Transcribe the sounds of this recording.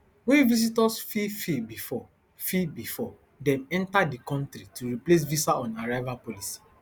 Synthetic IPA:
wẽvis̬itɔsfifibifɔ | fibifɔ | dɛ̃mɛ̃ntadikɔ̃ntɾituɹiples̬visaɔ̃naɹaɪvapolisi̥

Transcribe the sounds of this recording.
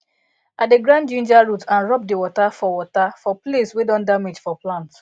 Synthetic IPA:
adeɡɹãndd͡ʒĩnd͡ʒaɹutãnɹɔp̚diwɔtafɔwɔtafɔpleswedɔ̃ndamid͡ʒfɔplãnt

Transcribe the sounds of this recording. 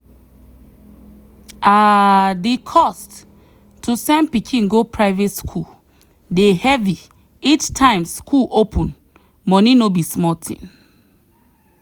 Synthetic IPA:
adikʰɔst | tʰːusɛ̃npikʰĩnɡopʰɹaɪvetskʰu | dehɛvi | ittʰːãɪ̃mskʰulʔopʰɔ̃n | mɔnĩnobismɔtʰḭ̃n

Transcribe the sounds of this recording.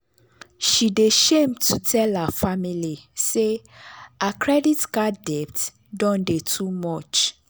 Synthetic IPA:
ʃideʃẽmtʰutʰɛlhafamilise | akʰɹɛditkadɛpt | dɔ̃ndetʰumɔt͡ʃ

